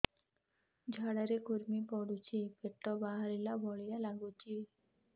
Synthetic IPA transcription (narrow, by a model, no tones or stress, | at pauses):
d͡ʑʱaɽaɾekuɾmipɔɽut͡ʃʰipeʈːɔbaɦaɾilabʱɔɭijalaɡut͡ʃʰi